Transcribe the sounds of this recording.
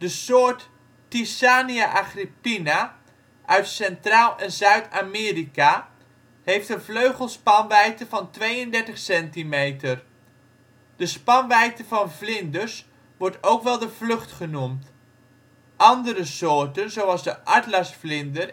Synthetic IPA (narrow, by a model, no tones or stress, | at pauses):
d̥əsoːɹtː | isaːniaʔaχripina | ʔœɥtsɛntraːlˠɛnzœɥtʰaːmɪːrika | hejftənvløɥχəlˠspɑnʋɛjtəvɑntʋejəndɛɹtəχsɛntimejtər | d̥əspɑnʋɛjtəvɑnvlɪndəs | ʋɔɹtowkʋɛlˠdəvlɵχtχənumt | ʔɑndəɾəsoːɹtənzowɑlˠzdəʔɑɹtlasflɪndər